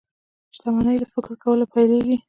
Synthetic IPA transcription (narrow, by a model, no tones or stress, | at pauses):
ʃt̪amɑnəjlafokɾkawəlopajleɡi